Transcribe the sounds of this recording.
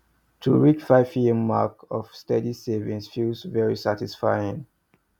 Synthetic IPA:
tʰuɹit͡ʃfaɪ̥iɛmːakɔv̥stɛdisevĩnsfilsvɛɹisatisfaɪĩŋ

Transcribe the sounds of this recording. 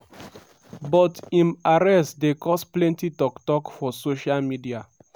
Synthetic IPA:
bɔtĩmaɹɛstdekɔsplɛ̃ntitɔktɔkfɔsoʃalmidia

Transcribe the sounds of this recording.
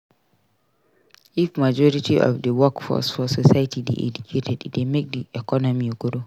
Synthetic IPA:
ʔifmad͡ʒɔɹitʰiʔɔ̰fdəwɔkfɔ̰sfɔsɔsajtʰidḛʔɛ̰d͡ʒukʰetʰɛddemek̚diɛkɔnɔmiɡɔdo

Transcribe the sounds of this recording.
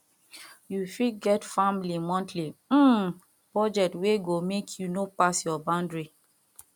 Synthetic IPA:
jufiɡɛtfãmlimɔ̃ntʰli | pɹɔd͡ʒɛk̚tweɡomekʰjunopasjɔbãndɹi

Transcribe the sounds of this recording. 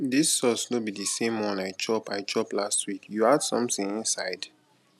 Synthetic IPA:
disːɔsnobidisẽmwɔ̃nlaɪt͡ʃɔpaɪt͡ʃɔplastʰwikjuad̥sɔ̰̃mθĩŋĩnsaɪd̥

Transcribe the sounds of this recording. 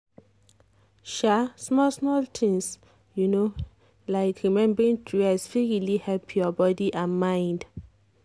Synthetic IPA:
ʃasmɔlsmɔltʰĩŋs | juno | laɪkɹimɛ̃mbɹĩntʰɹuɛsfiɹilihɛlpʰjɔbɔdiʔãnmãɪ̃nd

